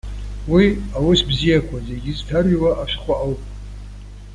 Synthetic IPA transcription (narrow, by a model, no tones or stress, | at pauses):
wiawʊsbzijakʷʰaze̞ɡʲɪztʰarɥiwaʔaʃʷᶣχʷaʔawpʼ